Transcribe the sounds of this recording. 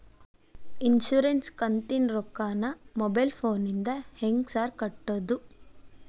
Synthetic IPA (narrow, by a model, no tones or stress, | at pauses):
inʃuːɾenskɐnt̪inɾɔkːaːnɐmɔbɐjlpʰoːnind̪ɐheŋɡsaːɾkɐʈːod̪u